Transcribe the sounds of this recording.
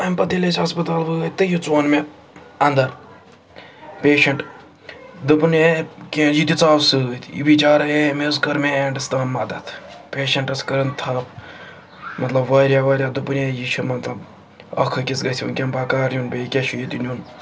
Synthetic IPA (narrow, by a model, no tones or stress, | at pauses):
ɐmʲpɐt̪ilet͡ʃɐspɐt̪aːlʋɨt̪ɨjit͡soːnme | ɐnd̪ɐɾ | pʲeːʃɐɳʈ | d̪upɨnekʲeːnjit̪ʲit͡saːʋsɨt̪ʰḭbit͡ʃaːɾɐjemeskɐɾmeeɳɖɨst̪aːnmɐd̪ɐt̪ʰpʲeːʃɐɳʈɐskɐɾɐnt̪ʰaːp | mɐt̪lɐbʋɐːɾʲjaːʋɐːɾʲjaːd̪ɨpɨnejit͡ʃʰimɐt̪lɐb | ɐ̰kʰɨkʲit͡sɡɐsʲiṵnkʲempaːkaːɾnʲunbʲeikʲeʃʰujit̪inʲun